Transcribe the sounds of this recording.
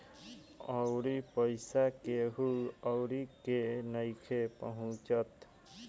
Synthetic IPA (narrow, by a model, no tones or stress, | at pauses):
ɔwɾipəɪsakeɦuəwɾikenəjkʰepəɦũt͡ʃət̪